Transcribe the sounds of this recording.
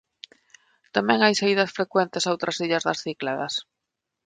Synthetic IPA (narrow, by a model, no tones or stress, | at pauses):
t̪amɛ̃ŋajsaiðɐsfɾekwɛnt̪esawt̪ɾʔɐsiʎɐzðɐsθiklaðɐs